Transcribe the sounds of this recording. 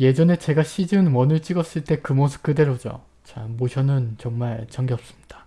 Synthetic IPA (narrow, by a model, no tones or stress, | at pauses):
je̞d͡ʑʌne̞t͡ɕe̞ɡaɕʰid͡ʑɯnwʌnɯɭt͡ɕ͈iɡʌs͈ɯɭt͈e̞kɯmʌs̬ʰɯ̥p̚k͈ɯde̞ɾod͡ʑo̰ | t͡ɕamoɕʰʌnɯnt͡ɕʌŋmaɭt͡ɕʌŋɡjʌp̚s͈ɯmɲid̥a